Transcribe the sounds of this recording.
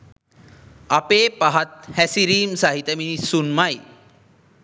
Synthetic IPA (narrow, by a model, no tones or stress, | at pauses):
apeːpaɦat̪̚hæsiɾiːmsaɦit̪əminisunmaj